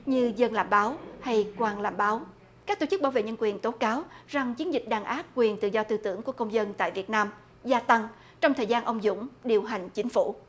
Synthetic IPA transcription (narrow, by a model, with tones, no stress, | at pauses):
ɲɨ˧zə˧nla̰ː˧˨˩mɓaː˨˦wha˧jkwaː˨˩nla̰ː˧˩mɓaː˨˦w | ka˦˥k̚t̪o˧˩t͡ɕɨ˦˥k̚ɓaː˧˩wvḛ˧˨˩ɲə˧nkwi˨˩ənt̪o˨˦kaː˨˦wza˨˩ŋt͡ɕi˨˦nzï˨˩k̚ɗaː˨˩ŋʔaː˦˥p̚kwi˨˩ənt̪ɨ̰˧˨zɔ˧t̪ɨ˧t̪ɨ˧˩əŋku˧˩əkə˧wŋ͡mzə˧nt̪a̰ː˧˨jvi˨˩ət̚naː˧m | zaː˧t̪a˧ŋ | t͡ɕɔ˧wŋ͡mt̪ʰəː˨˩jzaː˧nʔə˧wŋ͡mzʊ̰˧˥ŋ͡mɗi˨˩əwɦa˨˩jŋ̟t͡ɕï˨˦ŋ̟fṵ˧˩˥